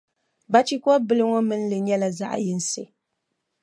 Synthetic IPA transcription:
ba˦t͡ʃi˦kɔ˦bɨ˦lɨ˦ŋɔ˦mɨ˦n̩˦lɨ˨ɲɛ˦la˨za̰˦ʔjɨ˦n̩˦sḛ˨

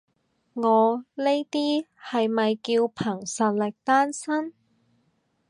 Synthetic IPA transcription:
ŋɔː˨˧le˥jt̪iː˥hɐ˨jmɐ˨jkiː˧wpʰɐ˨˩ŋsɐ˨t̚lɪ˨k̚t̪aː˥nsɐ˥n

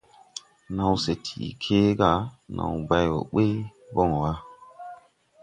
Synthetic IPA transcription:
na˨wse˨tʰḭ˨kʰe˦ɡa˦˨nʔa̰˨wba˦jwo̰˨ɓe˦bɔ˦˨ŋ˨wa˦

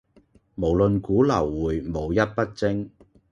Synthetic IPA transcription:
mo˨˩wlɵ˨nkuː˨˥lɐ˨˩wːuː˨˩jmo˨˧wjɐ˥t̚pɐ˥t̚t͡sɪ˥ŋ

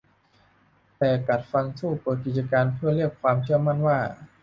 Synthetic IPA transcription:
t̪ɛː˨˩ka˨˩t̪̚fa˧nsuː˥˩puː˧k̬i˨˩t͡ɕa˧kaː˧npʰɯ˥˩ɾi˥˩əkʰwaː˧mt͡ɕʰɯ˥˩əma˥˩nwaː˥˩

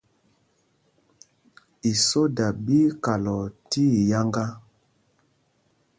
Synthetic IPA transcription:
i˨so˦da˨bi˦ka˨lɔ˨ti˦˨ja˦ŋɡa˦

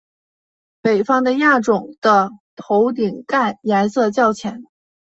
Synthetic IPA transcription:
pe˨˩ɪfɑ˥ŋd̪ə˧ja˥˩ʈ͡ʂʊ˨˩ŋd̪̥ə˦t̪ʰo˧˥ʊt̪̬i˨˩ŋka˥˩nja˧˥nsɤ˥˧t͡ɕjɑ˥˩ʊt͡ɕʰjɛ˧˥n

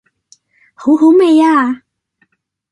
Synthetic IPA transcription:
ho˨˥who˨˥wme˨˧jaː˧

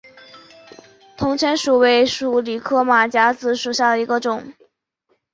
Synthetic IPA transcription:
t̪ʰʊ˧˥ŋt͡ɕʰɥɛ˧˥nʂu˨˩we˧˥ɪʂu˨˩li˨˩kʰɤ˥˩ma˨˩t͡ɕja˧˥t͡sɹ̩˧˥ʂu˨˩ɕja˥˩d̪ə˩i˧˥ɡə˧ʈ͡ʂʊ˨˩˦ŋ

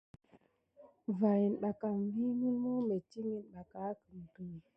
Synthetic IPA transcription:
va˨ji˨nɗa˨ka˨m˦vi˦ŋi˦lmu˦me˨ti˦ŋi˦nɗa˨ka˨˦ki˨n˨tu˨

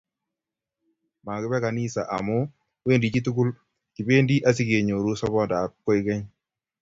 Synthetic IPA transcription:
ma˨kɪ˦bɛ˦ka˨ni˦sa˨ʔa̰˨mɔ˦ | we˦˨ndi˨t͡ʃi˦tu˦kʊ˦l | ki˨pe˦ndi˦ʔa˦s̬i˦ɡe˨ɲo˨ɾu˦sɔ˦bɔ˦ndaː˨kːɔ˦ɪ˦kɛ˦ɲ

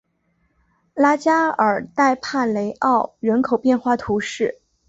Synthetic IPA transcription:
la˥t͡ɕja˥ə˞˨˩t̪a˥˧ɪpʰa˥˩le˧˥ɪʔɑ˥˩ʊɻə˧˥nkʰo˨˩ʊpjɛ˥˧nxwa˥˩t̪ʰu˧˥ʂɻ̩˥˩

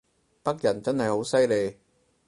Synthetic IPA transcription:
pɐ˥k̚jɐ˨˩nt͡sɐ˥nhɐ˨jho˨˥wsɐ˥jle˨˧j

